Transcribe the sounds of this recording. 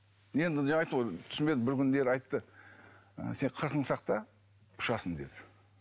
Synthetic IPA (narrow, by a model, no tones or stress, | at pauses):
je̞nd̪ɪd͡ʒeɑjt̪əʁojt̪ʰʏ̥sɪnbe̞d̪ɪbɪɾkʲʏnd̪e̞ɾɑjt̪ːə | ə̰se̞ɴqʰəɾqəɴsɑq̚t̪ɑ | ʊ̥ʃɑsənd̪e̞̰d̪ɪ̥